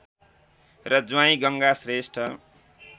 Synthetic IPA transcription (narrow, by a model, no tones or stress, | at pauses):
rʌd͡zwaĩɡʌŋɡasresʈʰʌ